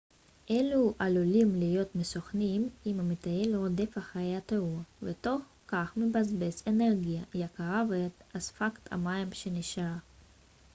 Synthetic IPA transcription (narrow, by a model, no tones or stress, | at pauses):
ʔeluʔalulimlijot̪mesoχnimimamet̪ajelod̪efaχajeat̪euvet̪o̞χ | kaχmebazbeseneʁɡijajakaʁavet̪azfakt̪ʰa̰maimʃeniʃaʁa